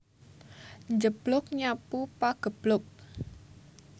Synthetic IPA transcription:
ɲd͡ʒəb̥lʊk̚ɲapupaɡ̥ə̤b̥lʊk̚

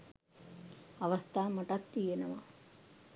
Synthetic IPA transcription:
ɐʋɐst̪ʰaːmɐʈɐt̪ːijenɐʋɐ

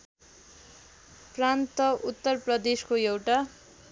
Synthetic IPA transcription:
prant̪ʌʔut̪ːʌrprʌd̪eskoewʈa

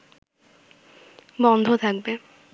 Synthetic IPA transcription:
bɔnd̪ʱot̪ʰak̚be

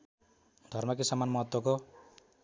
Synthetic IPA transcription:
d̪ʱʌrmʌkesamanmʌɦʌt̪wʌko

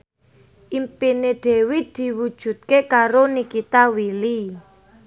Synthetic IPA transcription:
ʔimpineɖ̥e̤wid̪̥i̤wud̥ʒ̥ṳt̪̚kekaɾonikit̪awili

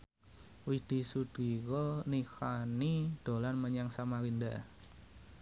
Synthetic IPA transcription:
wid̪̥i̤sud̪̥ikɔnikanid̪̥o̤lanməɲaŋsamaɾinda

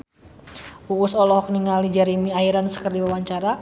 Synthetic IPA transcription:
uusɔlɔhɔk̚niŋalid͡ʒaɾimiaiɾansə̥kərdiwawaɲt͡ʃaɾa

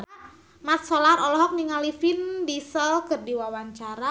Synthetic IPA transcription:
mat̪̚solaɾɔlɔɦɔk̚niŋalifindisəlkərdiwawaɲt͡ʃaɾa

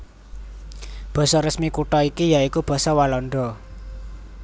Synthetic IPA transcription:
b̥ɔ̤sɔɾəsmikuʈɔikijaikub̥ɔ̤sɔwalɔɳɖɔ

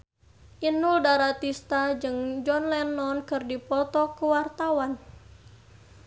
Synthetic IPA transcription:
ʔinʊldaɾat̪ist̪ad͡ʒɨŋd͡ʒɔnlɛnɔnkɨrdipɔt̪ɔkəwart̪awan

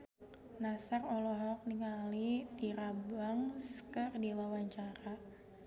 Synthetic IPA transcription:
nasarɔlɔɦɔk̚niŋalit̪iɾabaŋskərdilawaɲt͡ʃaɾa

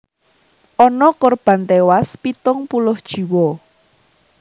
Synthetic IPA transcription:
ʔɔnɔkɔrb̥ä̤nt̪ewaspit̪ʊŋpulʊhd̥ʒ̥i̤wɔ

